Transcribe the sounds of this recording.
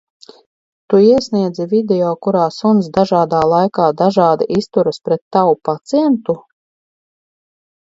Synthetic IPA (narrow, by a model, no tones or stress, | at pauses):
t̪uiɛsniɛd̪zivʲid̪ɛjɔːkuɾaːsunsd̪aʒaːd̪aːlˠajkaːd̪aʒaːd̪aʔist̪uɾaspɾɛt̪ːawupat̪siɛnt̪u